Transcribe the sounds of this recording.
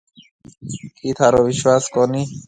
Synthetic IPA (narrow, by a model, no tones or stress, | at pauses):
kʰit̪ʰaɾɔʋiʃwaskɔni